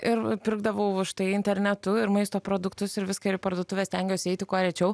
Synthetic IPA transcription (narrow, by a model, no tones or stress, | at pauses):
ɪɾpʲɪɾɡ̚d̪ɐʋɐʊʊʃt̪ɐɪɪnʲt̪ʲɛɾʲnʲɛt̪ʊɪɾmɐɪst̪oːpɾoːd̪ʊkt̪ʊsɪɾʋʲɪskɐɪɾɪpɐɾd̪oɔt̪ʊʋʲeːst̪ʲɛŋʲɡʲɛsʲɪɛɪt̪ʲɪkoːɾʲɛt͡ʃʲɛʊ